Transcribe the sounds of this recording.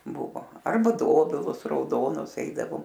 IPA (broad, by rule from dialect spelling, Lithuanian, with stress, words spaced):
ˈbʊʋoː ˈɐrbɐ ˈdoːbʲɪlˠʊs rɐʊˈdoːnʊs ˈɛɪdɐʋoːm